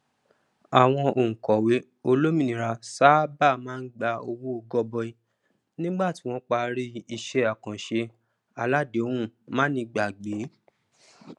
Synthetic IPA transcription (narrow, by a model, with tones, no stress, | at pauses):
a˨w̃ɔ̃˧ʔo˨ŋ̩̃˨kɔ˨we˨˦ | o˧lo˦mĩ˦˨nĩ˨ɾa˧sa˦ba˦˨mãː˦n̩˦ɡ͡ba˧o˧wu˦o˧ɡɔ˧bɔ˧i˧ | nĩ˦ɡ͡ba˦˨ti˨˦w̃ɔ̃˧˦k͡pa˧ɾi˦i˧ʃe˧˦a˨kã˨ʃe˧ | a˧la˦de˨õ˦ũ˦mãː˦nĩ˧ɡ͡ba˨ɡ͡be˨˦